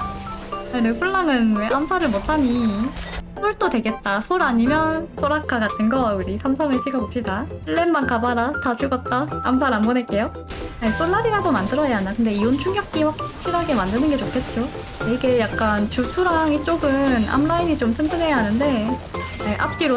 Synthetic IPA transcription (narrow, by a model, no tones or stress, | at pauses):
anɯpʰuɭːaŋɯnweʔamsʰaɾɯɭmotʰaɲi | sʰoɭt͈odwe̞ɡe̞t̚t͈asʰoɾaɲimjʌns͈ʰoɾakʰaɡatʰɯnɡʌuɾisʰamsʰʌŋɯɭt͡ɕ͈iɡʌbop̚ɕ͈idaɭːemmankabaɾatat͡ɕɯɡʌt̚t͈aams̬ʰaɾanbonek͈e̞jo | jes͈oɭːaɾiɾadomandɯɾʌjaanakɯnde̞iwont͡ɕʰuŋjʌk̚k͈iɸwak̚t͡ɕ͈ʰiɾɦaɡe̞mandɯnɯnɡe̞t͡ɕokʰe̞t̚t͡ɕ͈o | eiɡe̞jak̚k͈ant͡ɕusʰuɾaŋit͡ɕ͈oɡɯna̰mɾaimit͡ɕomsʰɯntʰɯne̞jaɦanɯnde̞ | eʔa̰p̚k͈iɾo